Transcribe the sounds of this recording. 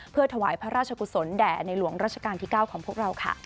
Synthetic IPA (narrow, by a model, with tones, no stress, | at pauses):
pʰɯ˥˩ət̪ʰa˧waː˩˦jpʰɾa˦˥ɾaː˥˩t͡ɕʰa˧ku˨˩so˩˦ndɛː˨˩na˧jlu˨˩˦əŋɾaː˥˩t̚t͡ɕʰḁ˧kaː˧nt̪ʰiː˥˩kaː˥˩wkʰɔː˩˦ŋpʰu˥˩ək̚ɾa˧wkʰa̰˥˩